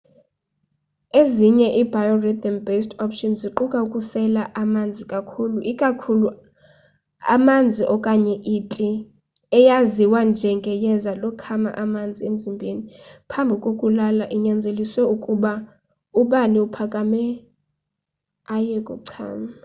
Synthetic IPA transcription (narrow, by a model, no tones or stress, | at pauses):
eziɲɛʔibʱajɔrɛt̪ɔnbestʰɔpʃɔnziǃukʼaukʼusɛlaʔamand͡zʱikʼakʰuluʔikʼakʰulu | a̰mand͡zʱiʔɔkʼaɲɛʔitʼi | ɛjaziwand͡ʒʱɛŋɡʱɛjɛzalɔkʰama̰ʔamand͡zʱiem̩zimbʱenipʰambʱikʼokʼulalaʔiɲand͡zʱeliswɛukʼuɓa | uɓaniupʰakʼamɛ | ajɛkʼuǀʰa̰ːma